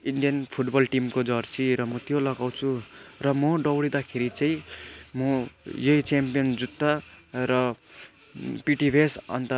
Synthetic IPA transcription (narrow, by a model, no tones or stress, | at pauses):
iɳɖijʌnpʰuʈbʌlʈimkod͡zʌrt͡siɾʌmʌt̪jolʌɡaw̃t͡sʰurʌmʌɖʌwɽid̪akʰeɾit͡saĩmʌjʌit͡sampijʌnd͡zut̪ːaɾʌ | piʈibʱesʌ̰nt̪ʌ